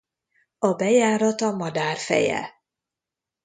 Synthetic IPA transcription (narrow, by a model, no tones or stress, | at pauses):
ɒbɛjaːɾɒt̪ɒmɒd̪aːrfɛ̰jɛ̰